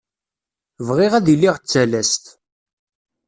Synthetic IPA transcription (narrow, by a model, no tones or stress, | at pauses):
vʁɪʁæðilːiʁt͡sːælæst̪